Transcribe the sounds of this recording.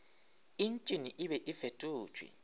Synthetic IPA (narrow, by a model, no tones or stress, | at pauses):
int͡ʃʼiniʔiɓɛʔifetʼu̥ːt͡ʃʰʼwḭ